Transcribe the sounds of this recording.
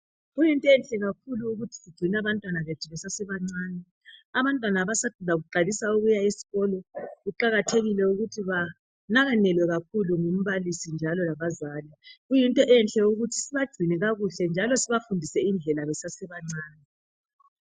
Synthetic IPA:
ɣujintʼɔɛnɬʼɛɣakʰuluːɣutʰi̥siɡ͡ǀʱinaβantʼwanaβetiβɛsasɛβaŋ͡ǀaːnɛ | aβantʼwanaːβasadlaɣuǃalisauɣujaisi̥ɣɔlɔɣuǃaɣatʰeɣilɛuɣutʰiβa | naɣanɛlwɛɣakʰuluŋum̩βalisind͡ʒʱalɔlaβazaːliɣujintʼɔʔɛnɬʼɛuɣutʰi̥siβḁɡ͡ǀ̥ʱinɛɣaɣuɬɛnd͡ʒʱalɔsiβafundʱisɛind͡ɮʱɛlaβɛsasɛβaŋ͡ǀaːnɛ

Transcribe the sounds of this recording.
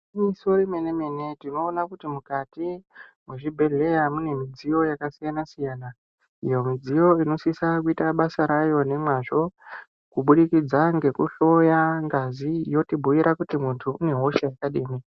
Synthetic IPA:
imisoɾime̞ne̞me̞ne̞tino̞ːnakutimukatimweʐibʱe̞ɮe̞jamune̞mid͡zijo̞jakasijanasijaːna | ijo̞mid͡zijo̞ino̞sisakuitaɓasaɾajo̞ne̞mwaʐo̞ | kuɓuɗikid͡zaŋɡe̞kṵɬo̞jaŋɡazijo̞tibʱuʋiɾakutimuntʰuune̞ɦo̞ʃejakaɗiːmi

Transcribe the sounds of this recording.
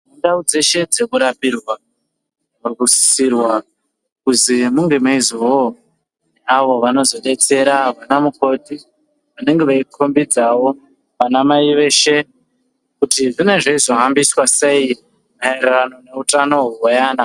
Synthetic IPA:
undaud͡ze̞ʃe̞d͡ze̞kuɾapirwa | rukusi̥sirwa | kuzimuŋɡe̞maizowo | neaʋo̞ʋano̞zo̞ɗe̞t͡se̞ɾaʋanamuko̞ti | ʋane̞ŋɡe̞ʋaikʰo̞mbid͡zawo̞ | ʋanamaiʋe̞ːʃe̞ | kutiʐine̞ʐeizo̞ɦambiswase̞i | maererano̞ne̞utano̞ɦuwojaːna

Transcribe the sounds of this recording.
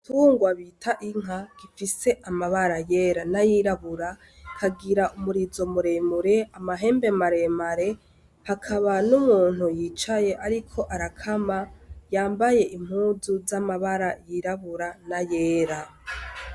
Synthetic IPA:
tʰuːŋɡwaβitʰaʔiŋ̥ɦaɡ̥ifise̞ʔamaβaɾaje̞ɾanajiɾaβuɾa | kʰaɡiɾaumuɾizo̞muɾe̞muɾe̞amaɦe̞ːmbe̞maɾe̞maɾe̞ | hakʰaβanumuːn̥hujiːt͡ʃaje̞ʔaɾikʰo̞ʔaɾakʰamajaːmbaje̞ʔim̥huːzuzamaβaɾajiɾaβuɾanajeːɾa

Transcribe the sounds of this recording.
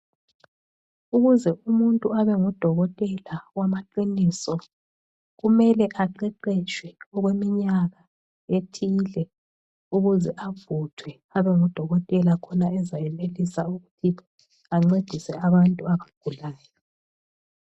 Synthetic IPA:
uɣuzɛʔumuntʼuaβɛŋɔd̥ʱɔɣɔtʼɛlawamaǃiniːsɔ | ɣumɛlɛʔaǃɛǃɛt͡ʃʰʼwɛɔɣwemiɲaɣa | etʰiːlɛ | uɣuzɛʔavutʰwɛ | aβɛŋɔd̥ʱɔɣɔtʼɛlakʰɔnaɛzajɛmelisauɣutʰi | aŋ͡ǀed̥ʱisɛaβantʼuaβaɡ̥ʱulaːjɔ

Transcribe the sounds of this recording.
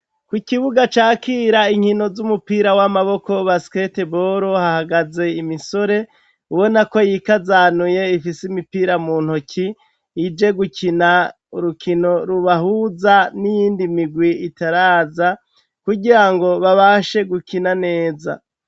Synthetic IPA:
kwikiβuɡat͡ʃaːkiːɾaiŋ̥hino̞zumupiːɾawamaβo̞ko̞βasketeboɾohahaɡaze̞imiso̞ɾe̞ | uβo̞nako̞jikazaːnuje̞ifisimipiːɾamuːn̥hokʰiː | d͡ʒe̞ɡukʰina | uɾukʰino̞ɾuβahuzanijiːndimiɡwiitaɾaːza | kuɡiɾaŋɡo̞βaβaʃe̞ɡukinane̞ːza̰

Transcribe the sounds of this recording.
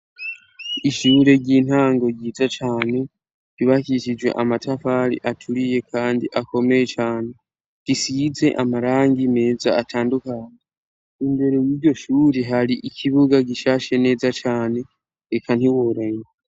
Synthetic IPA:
iʃuɾe̞ɟiːn̥haːŋɡo̞ɟiːzat͡ʃaːne̞ | βiβakiʃid͡ʒwe̞̰ʔamatʰafaːɾḭʔatʰuɾije̞kʰaːndiʔako̞me̞je̞t͡ʃaːne̞ | ɡ̥isize̞ʔamaɾaːŋɡime̞ːzaːtʰaːndukaːɲe | imbe̞ɾejiːɾɟo̞ʃuːɾeɦaɾiʔikʰiβuɡaɡiʃaːʃe̞ne̞ːzat͡ʃaːne̞ | ekʰan̥iwoɾaɲ

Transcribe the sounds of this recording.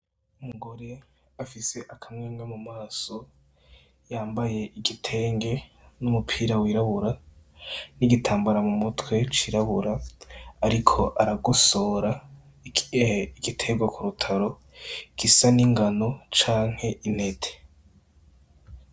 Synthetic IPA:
umuɡo̞ɾe̞ | afise̞ʔakʰamŋeːŋɡemumaːso̞ | jaːmbaje̞ʔiɡitʰe̞ːŋɡe̞numupʰiːɾawiɾaβuɾa | niɡitʰaːmbuɾamumutwe̞t͡ʃiːɾaβuɾaː | ɾikʰo̞ʔaɾaɡuso̞ːɾa | iɡ̥itʰe̞ɡwakuɾutʰaɾo̞ | kisaniŋɡano̞t͡ʃaːŋ̥he̞ʔine̞tʰe̥

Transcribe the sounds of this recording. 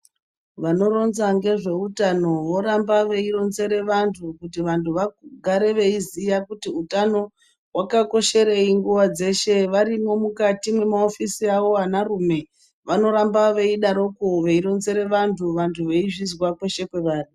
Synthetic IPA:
ʋano̞ɾo̞nzaŋɡe̞ʐe̞utano̞ʋo̞ɾambaʋe̞iɾo̞nze̞ɾe̞ʋantʰukutiʋantʰuʋaɡʱaɾe̞ʋe̞izijakutiutano̞ | wakako̞ʃe̞ɾe̞iŋɡuʋad͡ze̞ʃe̞ʋaɾimo̞mukatimwe̞maofisiaʋo̞anarume̞ | ʋano̞ɾambaʋe̞iɗaɾo̞koʋeiɾo̞nze̞ɾe̞ʋantʰuʋantʰuʋe̞iʐizwakwe̞ʃe̞kwe̞ʋaːn̤u

